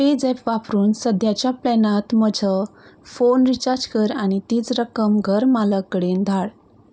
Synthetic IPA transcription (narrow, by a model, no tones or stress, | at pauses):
ped͡zɛpʋapɾuːnsəd̪ʱjat͡ɕjaplɛnat̪məd͡zʱəfonɾit͡ɕaɾd͡ʑkəɾañit̪iːt͡sɾəkəmɡʱəɾmaləkːəɽend̪ʱaɭ